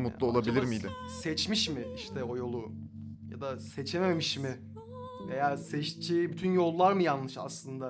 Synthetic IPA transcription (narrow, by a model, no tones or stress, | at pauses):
mut̪lˠuolˠabilʲiɾmiilʲɪsɛt͡ʃmiʃmɪiʃt̪ʰɛo̞jo̞lˠu | ja̰d̪aset͡ʃʰemeemiʃmɪ | ve̞jaːsɛʃt͡ʃʰejibyt̪ʰynjo̞lˠːaɾmɯjanlːˠɯʃa̰slˠɯnd̪a